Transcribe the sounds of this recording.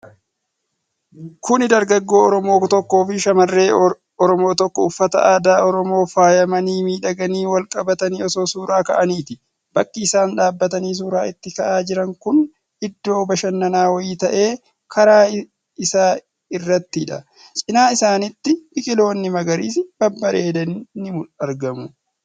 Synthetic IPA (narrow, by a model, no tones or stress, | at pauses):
kʊnɪd̪ɐɾɡɐɡːo̞ːɔɾɔmo̞ːt̪ɔkːo̞ːfɪʃɐmɐrːe̞ː | ɔɾɔmo̞ːt̪ɔkːɔʊfːɐt̪ɐ̰ʔaːd̪aːɔɾɔmo̞ːfaːjɐmɐniːmiːᶑɐɡɐniːwɐlkʼɐbɐt̪ɐniːɔso̞ːsuːɾaːkɐ̰ʔɐniːt̪ɪ | b̥ɐkːɪːsaːnᶑaːbːɐt̪ɐniːs̬uːɾaːɪt̪ːɪkɐʔaːd͡ʒɪɾɐŋkʊn | ɪd̪ːo̞ːbɐʃɐnːɐnaːwɐjiːt̪ɐʔe̞ː | kʰɐɾaː | ɪsaː | ɪrːɐt̪ːɪᶑɐ̰ | t͡ʃʼɪnaːɪsaːnɪt̪ːɪbɪkʼɪlo̞ːnːɪmɐɡɐɾiːs̬b̥ɐbːɐɾeːd̪ɐnnːɪmʊlɐɾɡɐmʊ